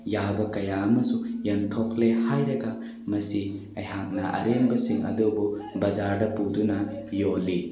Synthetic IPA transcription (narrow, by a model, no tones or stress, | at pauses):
jawbɐkɐjaɐmɐsujɐntʰoklehajɾɐɡɐ | mɐsi | ɐjɦak̚nɐʔɐ̰ɾembɐsiŋɐ̰dobubɐzaɾdɐpudunɐjolːi